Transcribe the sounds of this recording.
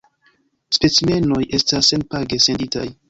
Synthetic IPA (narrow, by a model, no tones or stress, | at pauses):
spe̞t͡sime̞no̞jʔe̞stasenpaɡese̞ndita̰j